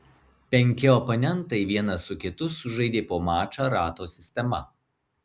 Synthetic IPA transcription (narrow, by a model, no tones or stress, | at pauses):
pʲɛŋʲkʲɪɔponʲɛnˑt̪ɐɪʋʲiɛnɐsʊkʲɪt̪ʊsʊʒɐɪd̪ʲeːpoːmɑːt͡ʃaːɾɑːt̪oːsʲɪsʲt̪ʲɛmɐ̰